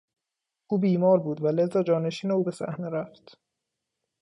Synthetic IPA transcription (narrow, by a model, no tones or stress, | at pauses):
ʔuːbiːmɒːɾbuːd̪væle̞zɒːd͡ʒɒːne̞ʃiːneuːbe̞sæ̰hne̞ɾæft̪